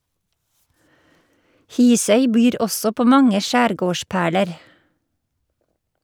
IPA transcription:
ˈhiːsœʏ ˈbyːɾ ˈɔsɔ ˈpoː ˈmɑŋə ˈʃæːɾˌɡoːˌʃpæːɭəɾ

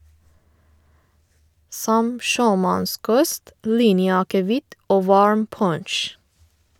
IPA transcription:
ˈsɔm ˈʃøːˌmɑnˌskɔst ˈliːnjəɑkəˌʋɪt ˈoː ˈʋɑɹm ˈpɔɳʃ

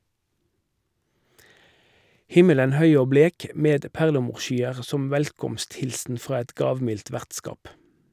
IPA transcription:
ˈhɪmələn ˈhœʏ ˈoː ˈbleːk ə ˈmeːd ˈpæʁləˌmuːʁˌʃyːəʁ ˈsɔm ˈʋɛlkɔmstˌhɪlsn̩ ˈfʁɑː ˈɛt ˈɡɑːʋˌmɪlt ˈʋæʁtˌskɑːp

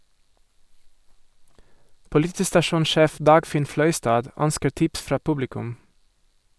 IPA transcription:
pʊlɪˈtiːstɑˌʃuːnˌʃeːf ˈdɑːɡfɪn ˈflœʏstɑːd ˈœnskəɾ ˈtɪps ˈfɾɑː ˈpʊblɪkʉm

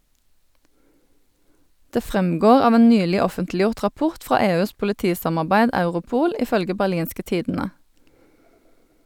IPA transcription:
ˈdeː ˈfʁɛmˌɡoːʁ ˈɑːʋ ˈeːn ˈnyːlɪ ˈɔfəntlˌjʊʁt ʁɑˈpʊʁt ˈfʁɑː ˈeːˌʉːs pʊləˈtiːsɑmɑʁˌbæɪd ˈɑʉʁʊˌpuːl ɪˈfœlɡə bæʁˈliːnskə ˈtiːdn̩ə

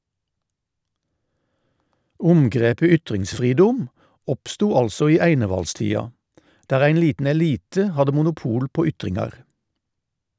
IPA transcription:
ˈʊmɡʁeːpə ˈʏtʁɪŋsˌfʁiːdʊm ˈɔpstuː ˈɑlsɔ ˈiː ˈæɪnəʋɑlˌstiːɑ ˈdæːʁ ˈæɪn ˈliːtn̩ ɛˈliːtə ˈhɑdə mʊnʊˈpuːl ˈpoː ˈʏtʁɪŋɑʁ

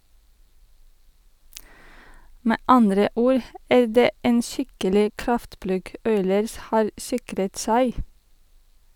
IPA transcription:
ˈmeː ˈɑndɾə ˈuːɾ ˈæː ˈɖeː ˈeːn ˈʃɪkəlɪ ˈkɾɑftˌplʉɡ ˈɔʏləɹs ˈhɑːɾ ˈsɪkɾət ˈsæɪ

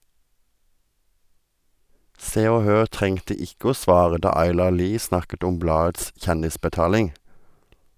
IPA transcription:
ˈseː ˈoː ˈhøːʁ ˈtʁɛŋtə ˈɪkə ˈoː ˈsʋɑːʁə ˈdɑː ˈɑɪlɑʁ ˈliː ˈsnɑkət ˈɔm ˈblɑːəts ˈçɛndɪspəˌtɑːlɪŋ

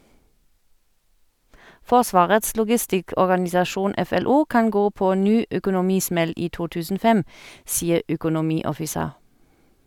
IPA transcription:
ˈfɔʁˌsʋɑːʁəts lʊɡɪˈstɪkɔʁɡɑnɪsɑˌʃuːn ɛfɛˈluː ˈkɑn ˈɡoː ˈpoː ˈnyː œkʊnʊˈmiːˌsmɛl ˈiː ˈtuː ˈtʉːsn̩ ˈoː ˈfɛm ˈsiːəʁ œkʊnʊˈmiːɔfɪˌseːʁ

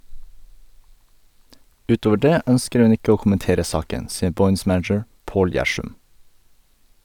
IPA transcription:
ˈʉːˌtoːʋə ˈɖeː ˈœnskəɾ ˈhʉn ˈɪkə ˈoː kʊmənˈteːɾə ˈsɑːkən ˈsiːə ˈbɔʏns ˈmænəd͡ʒəɹ ˈpoːl ˈjæʃʉm

